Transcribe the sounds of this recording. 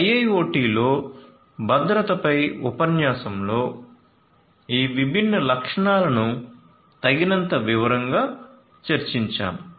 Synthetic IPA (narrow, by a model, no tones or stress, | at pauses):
ɐjɐjoːʈiːlo̞ː | bʱɐd̪ɾɐt̪ɐpɐjupɐnjaːsɐmlo̞ː | iːʋibʱinːɐlɐkʂɐɳaːlɐnu | t̪ɐɡinɐnt̪ɐʋiʋɐɾɐŋɡaː | t͡ʃɐɾt͡ʃiɲt͡ʃa̰ːm